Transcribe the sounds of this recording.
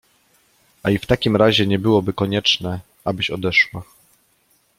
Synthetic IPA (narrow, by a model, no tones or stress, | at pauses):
ʔaift̪akʲimɾaʑɛɲɛbɘwɔbɘkɔɲɛt͡ʂnɛ | abɘɕɔd̪ɛʂwa